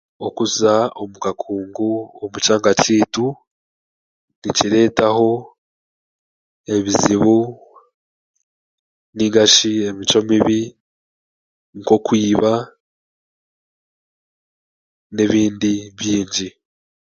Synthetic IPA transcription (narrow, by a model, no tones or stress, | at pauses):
o̞kuzao̞mukakʰuːŋɡuomut͡ʃaːŋɡat͡ʃiːtu | niciɾe̞ːtaho̞ | e̞βiziβu | niɡaʃie̞mit͡ʃo̞miβi | ŋko̞kwiːβa | neβiːndiβjiːɲɟi